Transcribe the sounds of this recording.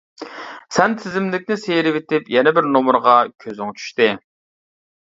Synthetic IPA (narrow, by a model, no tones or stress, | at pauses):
sɛnt̪ʰɪzɪmlɪkʲnɪsejɾɪvet̪ɪpjɛnɛbɪɾnomʊɾʁɑkʲʰøzɪŋt͡ʃʰy̥ʃt̪ɪ